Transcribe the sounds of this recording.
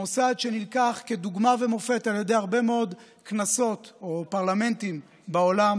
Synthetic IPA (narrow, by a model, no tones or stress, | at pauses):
osad̪ʃe̞nilkaχke̞d̪uɡmave̞mo̞fe̞talje̞d̪eaʁbe̞meo̞d̪ | knaso̞t̪o̞paʁlame̞ntim | bao̞lam